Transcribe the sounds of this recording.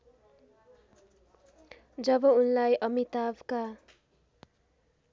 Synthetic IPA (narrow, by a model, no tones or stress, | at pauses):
d͡zʌbʌunlajʔʌmit̪abka